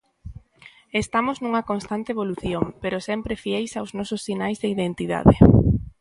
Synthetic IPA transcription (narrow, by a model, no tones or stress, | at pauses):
est̪amoznũŋɐkonst̪ant̪eβoluθjoŋpeɾosɛmpɾefjejsawznɔsʊsːinajzðeiðent̪iða̰ðɪ